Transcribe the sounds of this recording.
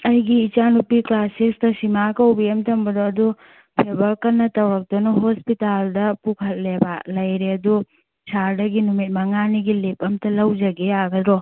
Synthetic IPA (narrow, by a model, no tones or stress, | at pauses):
ɐjɡiːt͡ʃanupiklasikstɐsimakɐwbiemtʰɐmbɐdoɐdu | pʰebʱɐɾkɐnːɐtɐwɾɐk̚d̥̪onɐɦospitaldɐpukʰɐt̚lebalɐjɾeɐdu | sʰaɾdɐɡinumit̚mɐŋaniɡilepɐmtɐlɐwd͡ʒɐɡeaɡɐd̪ɾo